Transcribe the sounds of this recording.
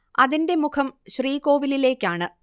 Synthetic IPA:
ɐðinde̞mukʰɐmɕriːko̞ːʋilile̞ːkʲːaːɳɨ

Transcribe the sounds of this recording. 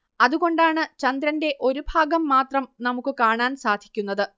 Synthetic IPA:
ɐðuɣo̞ɳɖaːɳɨt͡ɕɐnd̪ɾɐnde̞ʔo̞ɾubʱaːɡɐmːaːt̪rɐmnɐmukːɨkaːɳaːnsaːd̪ʱikʲːunːɐðɨ

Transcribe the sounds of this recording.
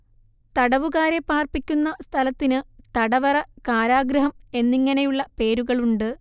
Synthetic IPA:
t̪ɐɽɐʋuɣaːɾe̞pːaːrpikʲːunːɐst̪ʰɐlɐt̪ːinɨt̪ɐɽɐʋɐrɐkaːɾaːɡɾɐɦɐme̞nːiŋːɐne̞juɭːɐpe̞ːɾuɣɐɭuɳɖɨ

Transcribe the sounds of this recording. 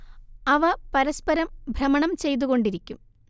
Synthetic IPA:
ɐʋɐpɐɾɐspɐɾɐmbʱrɐmɐɳɐmt͡ɕe̞jt̪̬uɣo̞ɳɖiɾikʲːum

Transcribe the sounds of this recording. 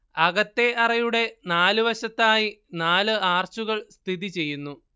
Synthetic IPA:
ɐɣɐt̪ːe̞ʔɐrɐjuɽe̞naːlɨʋɐɕɐt̪ːaːjinaːlɨaːrt͡ɕuɣɐɭst̪ʰiðit͡ɕe̞jːunːu

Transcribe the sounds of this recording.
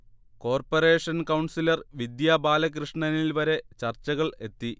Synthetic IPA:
ko̞ːrpɐre̞ːʂɐnkɐwɳsilɐrʋid̪jaːbaːlɐk̬rɨʂɳɐnilʋɐɾe̞t͡ɕɐrt͡ɕːɐɣɐɭe̞t̪ːi

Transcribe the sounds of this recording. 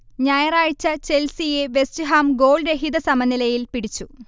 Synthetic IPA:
ɲaːjɐraːɻt͡ɕːɐt͡ɕelsijeʋe̞st͡ɕiɦaːmɡo̞ːɭɾeɦid̪ɐsɐmɐnːilɐjilpiɽit͡ɕːu

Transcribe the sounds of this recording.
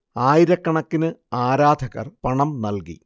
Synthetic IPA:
aːjiɾɐkːɐɳɐkːinɨaːɾaːd̪ʱɐɣɐ̰rpɐɳɐmnɐlkḭ

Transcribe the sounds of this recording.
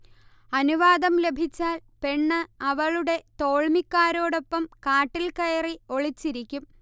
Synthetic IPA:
ɐnuʋaːd̪ɐmle̞bʱit͡ɕːaːlpe̞ɳːɨɐʋɐɭuɽe̞t̪o̞ːɭmikːaːɾo̞ːɽo̞pːɐmkaːʈːilkɐjɐrio̞ɭit͡ɕːiɾikʲːum

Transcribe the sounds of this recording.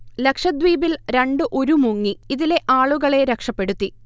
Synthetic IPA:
le̞kʂɐd̪ʋiːbilɾe̞ɳɖɨʔoɾumuŋːiiðile̞ʔaːɭuɣɐɭe̞ɾekʂɐpːe̞ɽut̪ːi

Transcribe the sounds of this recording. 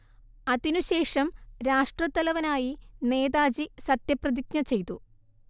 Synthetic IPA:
ɐðinuɕe̞ːʂɐmɾaːʂʈrɐt̪ːɐlɐʋɐnaːjine̞ːd̪aːd͡ʑisɐt̪jɐprɐd̪ik̚ɲɐt͡ɕe̞jt̪u

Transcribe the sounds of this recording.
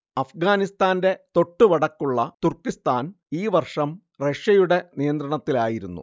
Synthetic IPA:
ɐfɡaːnist̪aːnde̞t̪o̞ʈːuʋɐɽɐkːuɭːɐt̪urkːist̪aːn | iːʋɐrʂɐm | reʂɐjuɽe̞nijɐnd̪ɾɐɳɐt̪ːilaːjiɾunːṵ

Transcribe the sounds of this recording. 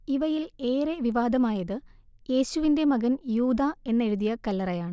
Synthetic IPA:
iʋɐjile̞ːɾeʋiʋaːd̪ɐmaːjɐðɨ | je̞ːɕuʋinde̞mɐɣɐnjuːd̪aːe̞nːe̞ɻuðijɐkɐlːɐrɐjaːɳɨ

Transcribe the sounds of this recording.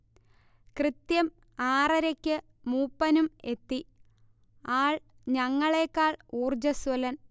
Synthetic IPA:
krɨt̪jɐm | aːrɐɾɐkʲːɨ | muːpːɐnume̞t̪ːi | aːɭ | ɲɐŋːɐɭe̞ːkːaːɭuːrd͡ʑɐswɐlɐn

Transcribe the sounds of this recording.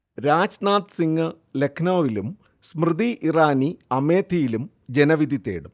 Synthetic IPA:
ɾaːd͡ʑnaːt̪ɨsiŋːɐ | le̞kʰnɐːʋilum | smrɨd̪iʔiraːniɐme̞ːt̪ʰijilum | d͡ʑe̞nɐʋid̪it̪ːḛːɽum

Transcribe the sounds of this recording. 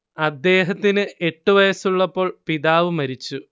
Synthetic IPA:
ɐd̪ːe̞ːɦɐt̪ːinɨʔe̞ʈːuʋɐjɐsuɭːɐpːo̞ːɭpiðaːʋumɐɾit͡ɕːu

